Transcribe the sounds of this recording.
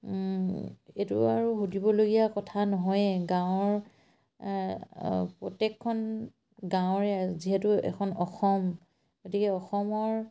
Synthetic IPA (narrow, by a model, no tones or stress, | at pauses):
etṵaɹuɦudibɔloɡijakɔtʰanɔɦɔjɡãwɔɹ | pɹɔtɛkʰːɔn | ɡãwɹɛziɦɛtuɛ̰kʰɔnɔxɔm | ɡotikɛɔxɔmɔɹ